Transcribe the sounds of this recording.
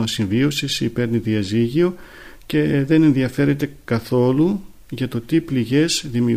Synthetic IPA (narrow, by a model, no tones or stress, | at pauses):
osiɱvio̞sisipe̞ɾniðiɐziʝio̞ | ce̞ðe̞ne̞nðiɐfe̞ɾe̞t̪e̞kɐθo̞lu | ʝɐt̪o̞t̪ipliʝe̞zðimi